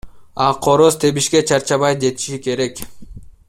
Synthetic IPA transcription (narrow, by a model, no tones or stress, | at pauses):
ɑqʰoɾost̪ʰe̞βiʃke̞t͡ʃʰɑɾt͡ʃɑβɑjd͡ʒe̞t̪i̥ʃike̞ɾe̞k